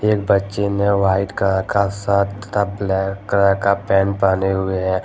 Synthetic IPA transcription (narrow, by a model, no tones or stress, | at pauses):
eːk̚bətːʃemẽʋaːɪʈkəɾãkasaːt̪t̪ablɛːkːɾakapɛːnpaːneɦʊeɦɛː